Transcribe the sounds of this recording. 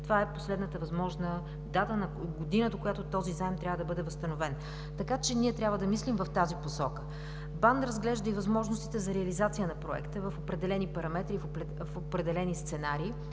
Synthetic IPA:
t̪ovaɛposlɛd̪nət̪əvɐzmɔʒnə | d̪at̪ənɐɡod̪inəd̪okojat̪ot̪ɔzizaɛmt̪ɾʲavəd̪ɐbɤd̪ɛvɐst̪ɐnovɛn | t̪ɐkat͡ʃɛniɛt̪ɾʲabvəd̪ɐmislimvɐft̪aziposɔkə̥ | band̪ɾɐzɡlɛʒd̪əivɐzmɔʒnost̪it̪ɛzɐɾɛɐlizat̪sijənɐpɾoɛ̰kt̪əvɐfopɾɛd̪ɛlɛnipɐɾɐmɛt̪ɾif | fopɾɛd̪ɛlɛnist̪sɛnaɾiː

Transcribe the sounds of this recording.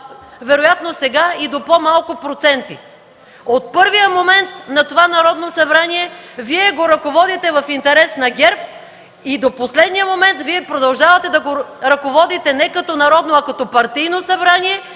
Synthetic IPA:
vɛɾojat̪nosɛɡaid̪opomalˠkʊpɾot̪sɛnt̪i | ot̪̚pɤɾvijəmomɛnt̪nɐt̪ovanɐɾɔd̪nosɐbɾaniɛviɛɡoɾɐkovɔd̪it̪ɛvɐfint̪ɛɾɛsnɐɡʲɛɾp̚ | id̪oposlɛd̪nijəmomɛnt̪viɛpɾod̪ɐlˠʒavɐt̪ɛd̪ɐɡoɾɐkovɔd̪it̪ɛnɛkɐt̪ɔnɐɾɔd̪noɐkɐt̪ɔpɐɾt̪ijnosɐbɾaniɛ

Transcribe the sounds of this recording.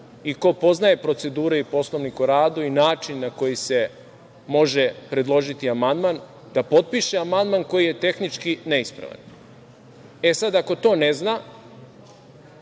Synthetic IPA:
iko̞po̞znaje̞pɾo̞t̪se̞d̪uːɾeipo̞slˠo̞ʋnikuɾaːd̪uinaːt͡ʃinːako̞jise̞ | mo̞ʒe̞pɾe̞d̪lˠo̞ʒit̪iamand̪man | d̪apo̞t̪̚piʃeamand̪manko̞jije̞t̪e̞xnit͡ʃkine̞ispɾa̰ʋa̰n | e̞sad̪ako̞t̪o̞ːne̞zna

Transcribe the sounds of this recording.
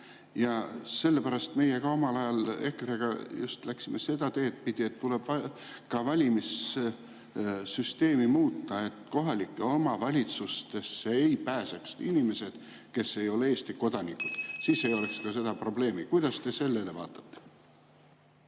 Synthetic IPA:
jɑse̞lːepæɾɑst̪me̞jeɡ̥ɑo̞mɑlɑjɑle̞keɾeɡ̥ɑ̰just̪læksimese̞d̪̥ɑt̪e̞ːt̪̚pid̪̥iet̪ːuleb̥vɑ | kɑvɑlʲimis | syst̪e̞ːmimuːt̪ːɑe̞t̪ːko̞ɦɑlʲikːˑeo̞mɑvɑlʲit̪sust̪e̞sːeejpæːseksinime̞se̞d̪̥ | ke̞sːe̞jo̞leeːst̪iko̞d̪̥ɑnikːud̪̥siːse̞jo̞lekskɑse̞d̪ɑpro̞ble̞ːmikujd̪̥ɑst̪e̞se̞lːele̞vɑ̰ːt̪ːˑɑ̥t̪ːe̥

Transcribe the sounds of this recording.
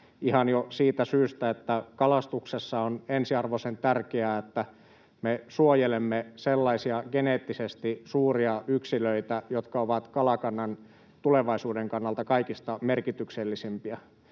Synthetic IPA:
ihɑnjosiːt̪æsyːst̪æet̪ːækɑlɑst̪uksesːɑonensiɑrʋosent̪ærkeæːet̪ːæ | mesuojelemːeselːɑisiɑɡ̥eneːt̪ːisest̪isuːriɑʔyksiløit̪æjot̪kɑoʋɑt̪kɑlɑkɑnːɑn | t̪uleʋɑisuːdeŋkɑnːɑlt̪ɑkɑikist̪ɑmerkit̪ykselːisimpiɑ

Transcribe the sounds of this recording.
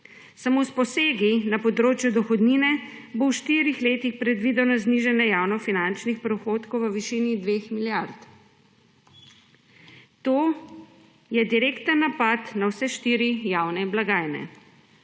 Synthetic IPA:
samospɔseːɡinapɔd̪ɾoːt͡ʃjud̪ɔxɔd̪niːnɛbowʃt̪iːɾixleːt̪ixpɾɛd̪ʋiːd̪ɔnɔzniʒɛnjɛjawnɔfinant͡ʃnixpɾɔxoːt̪kowʋəʋiʃinid̪ʋeːxmiljaɾt̪ | t̪oː | jɛd̪iɾeːkt̪ənːapat̪nawsɛʃt̪iːɾijawnɛblaɡaːjnɛ̰

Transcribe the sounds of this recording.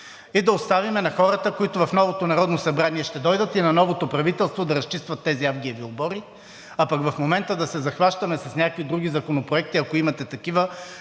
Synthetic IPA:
id̪ɐost̪avimɛnɐxɔɾət̪əkoit̪ovɐfnɔvot̪onɐɾɔd̪nosɐbɾaniɛʃt̪ɛd̪ɔjd̪ət̪inɐnɔvot̪opɾɐvit̪ɛlˠst̪vod̪ɐɾɐst͡ʃist̪vɐt̪ːɛziavɡʲiɛviolˠbɔɾi | apɐkvɐfmomɛnt̪əd̪ɐsɛzɐxvaʃt̪ɐmɛsɐsnʲakvid̪ɾuɡ̟izɐkonopɾoɛk̚t̪iɐkoimɐt̪ɛt̪ɐkivə

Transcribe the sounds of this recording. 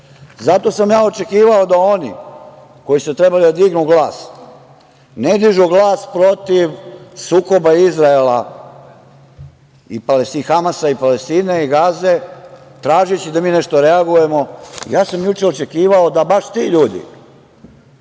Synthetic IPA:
zat̪o̞samjaːo̞t͡ʃe̞kiːʋao̞d̪aonḭ | ko̞jisut̪ɾebalid̪ad̪iɡnuɡlaːs | ned̪iʒuɡlˠaːspɾo̞t̪iʋsuːko̞baizɾaela | ipalest̪ixamasaipalest̪iːneiɡaze̞t̪ɾaːʒit͡ɕid̪amiːneʃt̪o̞ɾe̞aɡuje̞mo̞ḭjaːsamjut͡ʃeo̞t͡ʃekiːʋao̞d̪abaʃt̪iːʎuːd̪ḭ

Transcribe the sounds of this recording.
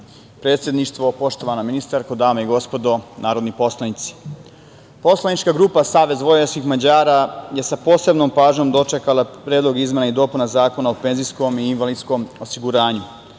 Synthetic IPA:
pɾet̪sʲje̞d̪niʃt̪ʋo̞po̞ʃt̪o̞ʋanaminist̪aɾkod̪aːmaiɡo̞spo̞d̪o̞naːɾo̞d̪nipo̞slˠanit̪si̥ | po̞slˠanit͡ʃkaɡɾuːpasaːʋe̞zʋo̞jeskixmad͡ʑaːɾaje̞sapo̞ːse̞bnompaːʒɲo̞md̪o̞t͡ʃekalˠapɾeːd̪lo̞ɡizmenaid̪o̞ːpunazaːko̞naope̞nzisko̞miːnʋalid̪sko̞mosiɡuɾaːɲu

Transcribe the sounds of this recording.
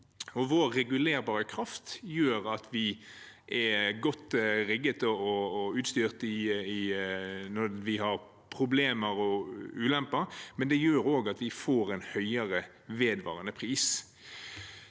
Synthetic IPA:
ɔʋoːɛɡʉleːɾbɑːɾəkʰɾɑft̪jøːɾɑt̪ʰʋɪʔɛɡɔt̪ːɾɪɡːət̪ɔɔːʉːt̪st̪yːʁt̪ɪɪ | nɔɾʋɪhɑɾ | pʰɾʊbleːməɾɔʉːlɛmpəɾmɛnd̪ɛjøːɾoːɡɑt̪ʋɪfoːɾɛɪnhœʏəɾə | ʋeːd̪ʋɑ̰ːʁənəpʰɾiːs

